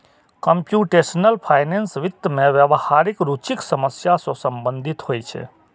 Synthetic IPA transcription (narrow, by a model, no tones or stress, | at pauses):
kəmpjuʈesnəlpʰaːjnensʋɪt̪ːmẽʋjəʋhaɾikɾut͡ʃiksəməsjasosəmbə̃nd̪ʱit̪hojt͡ʃʰḛ